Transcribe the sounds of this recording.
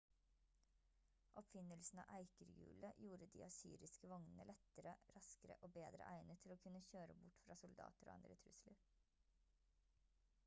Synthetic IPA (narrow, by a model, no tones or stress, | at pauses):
ʔɔpfɪnəlsn̩ɑ̰ːʔæɪkəɾɡʉ̰ːləjuːɾəd̪ḭːɑsyːɾɪskəʋɔŋnənəlɛt̪əɾəɾɑskəɾə̰ʔoːbeːd̪ɾə̰ʔæɪnət̪ʰɪloːkʰʉnəçøːɾəbʊʈfɾɑːsʊld̪ɑ̰ːt̪əɾo̰ːɑ̰nd̪ɾət̪ʰɾʉslə